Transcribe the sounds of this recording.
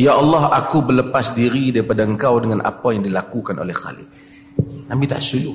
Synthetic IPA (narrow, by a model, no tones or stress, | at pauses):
jaʔɑlːɑɦakubələpasdiɾidaɾipadaəŋkawdəŋanʔa̰pajaŋdilakukanʔo̰lɛhxa̰lɪ̰k̚ | nãmbit̪a̰ʔsulu